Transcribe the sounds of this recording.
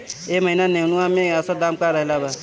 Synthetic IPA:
eməɦinanenuamẽəsad̪aːmkaɾəɦelaba

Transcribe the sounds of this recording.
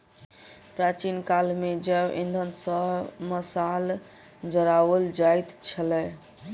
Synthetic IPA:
pɾat͡ʃinkalmed͡ʒɛʔĩnd̪ʱənsəɦməsal | d͡ʒəɾaʋəld͡ʒajt̪t͡ʃʰəlɛ

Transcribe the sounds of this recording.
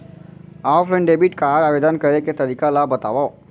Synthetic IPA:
afɾə̃ɳɖebiʈkaɾaʋed̪ənkəɾeket̪əɾikalabət̪a̰ʋa

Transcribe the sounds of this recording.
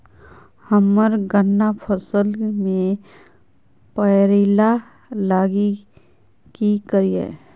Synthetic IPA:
həmːəɾɡənːapʰəsəlmẽ | pəɾila | laːɡi | kikəɾiḛ

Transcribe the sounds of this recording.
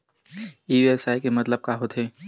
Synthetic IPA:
iːɛsaːikemɐt̪ləb̚kaɦot̪ʰɦeː

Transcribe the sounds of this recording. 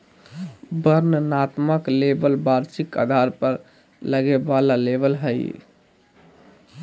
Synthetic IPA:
bəɾnənat̪məklebəlbaɾsika̰d̪ʱaɾpəɾ | ləɡebalalebəlɦəj̰

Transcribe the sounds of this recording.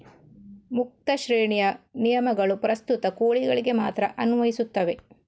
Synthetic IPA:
muk̚t̪ɐʃɾeːɳijɐnijɐmɐɡɐɭupɾɐst̪ut̪ɐkoːɭiɡɐɭiɡe̞maːt̪ɾɐʔɐnuʋɐjisut̪ːɐʋe̞

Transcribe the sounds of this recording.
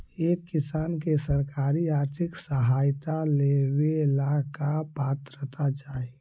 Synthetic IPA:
eːkːɪsaːnkesəɾkaːɾiaːɾt̪ʰɪksəɦaːjt̪alewelakapaːt̪ɾət̪ad͡ʒaːi

